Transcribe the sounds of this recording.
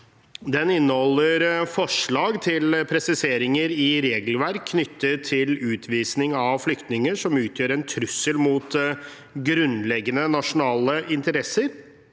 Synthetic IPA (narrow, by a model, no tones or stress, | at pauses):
d̪ɛnɪnːəhɔlːəɾfɔʂɭɑːɡt̪ʰɪlpʰɾɛsɪseːɾɪŋəɾɪɾeːɡəl̩ʋæɾkʰːnʏt̪ːət̪ʰːɪlʉːt̪ʰʋiːsnɪŋɑʋflʏkt̪nɪŋəʂɔmʉːt̪ʰjøːɾɛnt̪ʰɾʉsːəlmuːt̪ | ɡɾʉnlɛɡːənənɑʂʊnɑːləʔɪnt̪əɾɛsːəɾ